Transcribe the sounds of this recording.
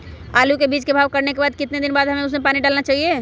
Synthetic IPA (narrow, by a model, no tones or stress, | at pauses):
aːlukebiːt͡ʃkebʱaːʋkɐɾnekebaːd̪̚kɪt̪ned̪ɪnbaːd̪ɦɐmẽʊs̬mẽpaːniɖaːlnat͡ʃaːɦie